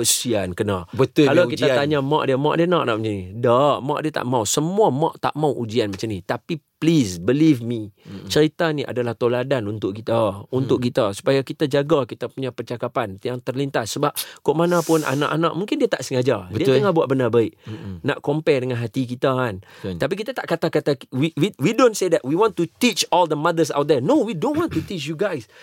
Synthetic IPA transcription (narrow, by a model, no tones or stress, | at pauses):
əssiankənabət̪ʊkalawkit̪at̪aɲamɔʔdiamɔʔdiənɔʔnaʔmat͡ʃanidaʔma̰ʔdiət̪a̰ʔmawsəmuamɔʔt̪a̰ʔmawʔud͡ʒianmat͡ʃamnit̪apiplisbəlivmit͡ʃəɾit̪aniʔa̰dalaht̪oladanunt̪ʊʔ̚kit̪aunt̪ʊʔ̚kit̪asu̥pajakit̪ad͡ʒaɡakit̪apuɲapərt͡ʃakapant̪jaŋt̪ərlint̪asːəbap̚koʔmanãpʊnʔa̰na̰ʔana̰ʔ̚mũŋkɪndiat̪aʔsəŋad͡ʒadədiat̪əŋahbuaʔ̚bənarbaɪʔna̰ʔkompɛdəŋanɦat̪ikit̪aant̪ap̬ikit̪at̪aʔkat̪akat̪awiwiwidõnsed̪ɛʔ̚wiwɔ̃nt̪ut̪it͡ʃɔld̪əmad̪əs̬a̰wt̪̚d̪ɛnowidõnwɔ̃nt̪ut̪it͡ʃjuɡajs